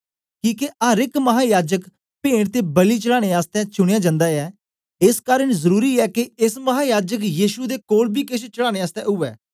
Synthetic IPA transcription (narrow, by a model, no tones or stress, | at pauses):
kiːkeʔəɾɪkməɦaːjaːd͡ʒək | pẽːɽt̪eːbəliːt͡ʃəɽaːɽeːaːst̪ɛ̃ːt͡ʃʊɽɪjaːd͡ʒãːnd̪aːɛː | ɪskaːɾəɳzəɾuːɾiːɛːkeɪsməɦaːjaːd͡ʒəkjiːʃud̪eːkoːɽbiːkɪʃt͡ʃəɽaːɽ̃eːaːst̪ɛ̰̃ːʔʊːɛː